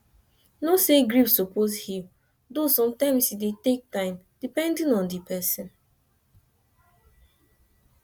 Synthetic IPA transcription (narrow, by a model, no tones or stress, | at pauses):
noseɡɹipsoposhĩm | dosɔ̃mtãɪ̃msidetek̚tãɪ̃m | d̥ipɛ̃ndĩnɔ̃ndipɛsĩn